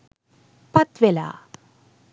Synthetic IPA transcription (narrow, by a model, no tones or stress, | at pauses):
pɐt̪ʋela̰